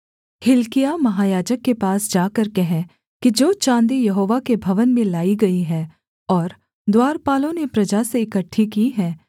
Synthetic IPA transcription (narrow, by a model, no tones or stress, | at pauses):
hɪlkɪjamɐɦaːjaːd͡ʒəkːepaːsd͡ʒaːkəɾkɛɦɛ̃ | kid͡ʒoːt͡ʃãːnd̪ijɐɦoːʋakebʱɐʋənmẽlaːiɡɐiɦɛː | ɔːɾ | d̪waːɾpaːlõnepɾɐd͡ʒaseɪkəʈʰːikiɦɛ̃ː